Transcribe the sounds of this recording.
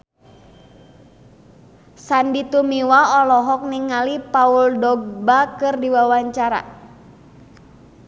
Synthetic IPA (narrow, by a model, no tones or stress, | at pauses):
sandit̪umiwaɔlɔɦɔk̚niŋalipauldɔɡ̚bakɨrdiwawaɲt͡ʃaɾa̰